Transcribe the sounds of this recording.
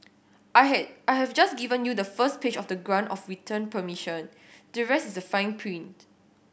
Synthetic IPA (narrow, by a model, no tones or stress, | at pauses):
ɛaɪhɛvd͡ʒasɡivə̃njudəfəsped͡ʒɔfdəɡɹãndɔfɹitʰə̃npəmiʃə̃n | dəɹɛstisəfãɪ̃npʰɹĩnt